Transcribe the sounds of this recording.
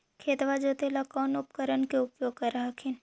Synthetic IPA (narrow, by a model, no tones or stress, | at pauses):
kʰeːt̪ʋad͡ʒot̪elakaːnʊpkəɾənkeʊpjoːɡ̚kɐɾaɦakʰɪn